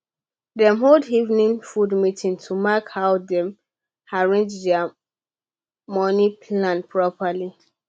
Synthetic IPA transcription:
dɛ̃mɦodivnĩnfudmitĩntʰumakhaʊdɛ̃m | aɹẽnd͡ʒdɛa | mɔ̃nipʰlãnpʰɹɔpali

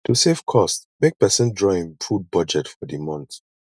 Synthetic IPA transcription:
tʰusefkʰɔstmek̚pɛsɔ̃ndɹɔĩŋfud̚bʌd͡ʒɛtfɔdimɔ̃nt

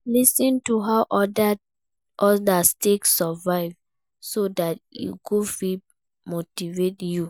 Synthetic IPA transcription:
lisĩntuɦaʊʔɔda | ʔɔdasteksɔvaɪv | sodatḭɡofi | motivetju

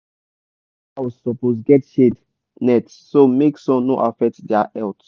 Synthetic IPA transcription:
awɔzsɔposɡɛtʃed | nɛtːomeksɔ̃nnoʔafɛk̚tdaʔɛlt

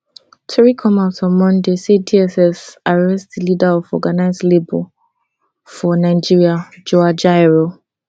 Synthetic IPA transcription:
tɹikʰɔmasɔ̃mɔ̃ndesediɛsɛsaɹɛstðəlidaɔfɔ̰ɡanaɪzlebɔ̰ | fɔnaɪd͡ʒiɹiad͡ʒoad͡ʒaɹo

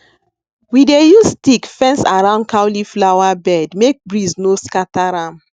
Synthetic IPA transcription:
widejustikfɛ̃nsaɹãʊ̃nd̚kʰawliflawabɛdmek̚bɹiznoskataɾãm

